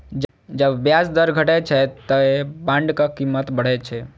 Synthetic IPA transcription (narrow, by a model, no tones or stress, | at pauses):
d͡ʒ | d͡ʒəbːjasd̪əɾɡʱəʈɛt͡ʃʰɛt̪əebãɳɖkakimːət̪bəɽ̤ɛt͡ʃʰɛ